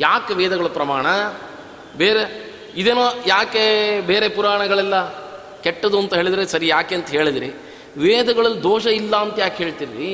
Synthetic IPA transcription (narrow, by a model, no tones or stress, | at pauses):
jaːkeʋeːd̪ɐɡɐɭupɾɐmaːɳɐ | beːɾe | id̪eːnoːjaːkebeːɾe̞puɾaːɳɐɡɐɭɛlːɐ | kɛʈːɐd̪uɐnt̪ɐɦeːɭid̪ɾesɐɾijaːkeːɐnt̪ɐɦe̞ːɭid̪ɾi | ʋeːd̪ɐɡɐɭɐlːd̪oːʃɐilːaɐnt̪ɐjaːkɦeːɭt̪iɾiɾi